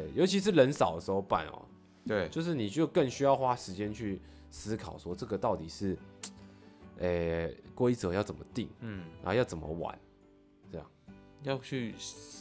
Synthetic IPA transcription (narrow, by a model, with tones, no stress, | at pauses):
t̪e˥˩ɪjo˧˥ʊt͡ɕʰi˧ʂ̬ɻ̩˥˩lə˧˦nsɑ˨˩ʊd̪ə˦ʂ̩˧˥xo˥˧ʊpa̰˨˩nɐ̰˨˩ | we˥˩t͡ɕjo˥˧ʊʂ̬ɻ̩˥˩ni˨˩t͡ɕjo˥˧ʊkə˥˩ŋɕy˥jɑ˥˧ʊxwa˥ʂɻ̩˧˥t͡ɕjɛ˦˥nt͡ɕʰy˥˩ | sɹ̩˥kʰɑ˨˩ʊswɔ˥ʈ͡ʂɤ˥˩ɡə˩t̪ɑ˥˩ʊt̪i˨˩ʂɻ̩˥˩ | e˨˩kwe˥ɪʈ͡ʂɤ˨˦jɑ˥˩ʊt͡sə˨˩mə˦t̪i˥˨˩ŋn˨˧˥jɑ˥˩ʊt͡sə˨˩nmə̰˦wa̰˨˩˦n | ə˥˩jɑ̰˥˩ŋjɑ˥˧ʊt͡ɕʰy˥˩